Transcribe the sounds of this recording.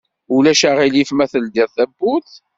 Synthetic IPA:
ulæʃaʁilifmæθəld̪iɾθæbːuθ

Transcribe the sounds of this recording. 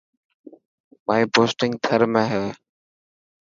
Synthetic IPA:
maːiːpoːsʈɪ̃ŋɡ̚t̪ʰəɾmẽːɦɛː

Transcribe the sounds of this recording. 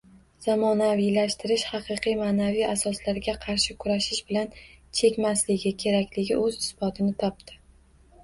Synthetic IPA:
z̥amɒnavijlaʃt̪ɪɾɪʃhɑqɨqʰijmaːnavijasɒslaɾɡʲaqʰɑɾʃɪkʰʊɾaʃɪʃbɪlant͡ʃʰe̞kʲmaslɪɡʲɪkʲʰe̞ɾakʲlɪɡʲɪ̰ʔɵzɪsbɒt̪ʰɪnɪt̪ʰɒp̚t̪ɪ̥

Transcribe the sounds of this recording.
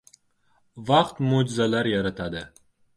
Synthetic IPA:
vɑqt̪mod͡ʒɪzalaɾjaɾat̪ʰad̪ɪ

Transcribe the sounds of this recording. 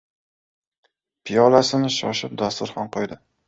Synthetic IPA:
pʰɪjɒlasɪnɪʃɒʃɪp̚d̪ast̪ʊɾχɒnqʰojd̪ɪ

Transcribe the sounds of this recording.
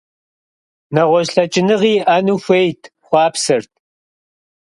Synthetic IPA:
nɐʁʷɔʑɬɐt͡ʃʼɪnɨʁiːʔanuːxʷejtʰχʷɑːpsɐrt̚ʰ

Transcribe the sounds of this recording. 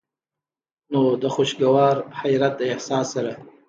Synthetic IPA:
nodaχʊʃɡawaːrħajɾatʼajiħsaːsaɾa

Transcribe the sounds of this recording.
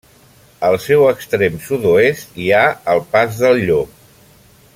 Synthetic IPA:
əlˠsɛwəkst̪ɾemsuðoest̪iaəlˠpazðəlˠʎo

